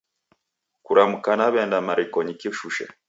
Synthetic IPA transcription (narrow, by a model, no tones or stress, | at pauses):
kuɾamukanaβɛndamaɾikɔɲikiʃuʃɛ̰